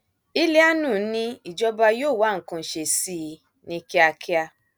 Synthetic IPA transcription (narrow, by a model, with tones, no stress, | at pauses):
i˦le˦a˦nũ˦˨˦nĩ˧i˨d͡ʒɔ˧ba˧joː˦˨wa˨˦˨ŋ̩˨kũ˧˨ʃe˨si˦˨˧ | nĩ˧ki˦a˧kʰi˦a˧